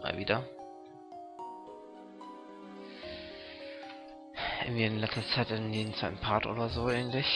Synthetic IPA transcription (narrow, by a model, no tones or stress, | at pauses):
a̰ːlviːdɐ | ʔɪnviːɪnlɛstɐt͡saɪtɪnjeːnt͡saɪtn̩pʰaɐtʔo̰ːdɐzoːɛːntlɪç